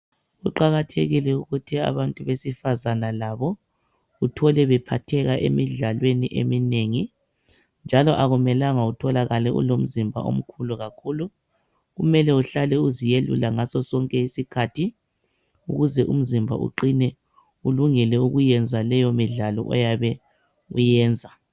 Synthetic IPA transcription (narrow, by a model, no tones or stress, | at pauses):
uǃaɣatʰeɣilɛuɣutʰia̰βantʼuβesifazanalaβɔ | ɣutʰɔlɛβɛpʰatʰɛɣaʔḛmiɮalweniʔḛmineŋi | nd͡ʒʱalɔʔaɣumɛlaŋautʰɔlaɣalɛṵlom̩zimbʱa̰o̰m̩kʰuluɣakʰulu | ɣumɛlɛuɬalɛuzijelṵlaŋasɔsɔŋkʼɛisikʰatʰi | ṵɣuzɛʔṵm̩zimbʱa̰ʔṵǃinɛ | uluŋɛlɛuɣujɛnd͡zʱalɛjɔmiɮalɔ̰ʔɔ̰jaβɛ | ujɛːnd͡zʱa